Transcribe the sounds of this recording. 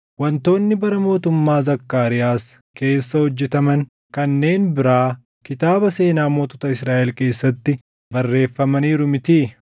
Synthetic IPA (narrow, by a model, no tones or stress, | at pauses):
wɐnt̪o̞ːnːɪbɐɾɐmo̞ːt̪ʊmːaːzɐkːaːɾɪjaːs | ke̞ːsːɐhɔd͡ʒːɛt̪ɐmɐn | kɐnːe̞ːnbɪɾaː | kɪt̪aːbɐse̞ːnaːmoːt̪ɔt̪ɐɪsɾaːʔɛlke̞ːsːɐt̪ːɪ | bɐrːe̞ːfːɐmɐniːɾʊmɪt̪iː